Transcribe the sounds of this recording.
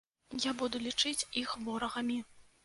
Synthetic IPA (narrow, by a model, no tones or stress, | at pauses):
jabud̪ulʲit͡ʂɨt͡sʲixvɔɾɐɣɐmʲi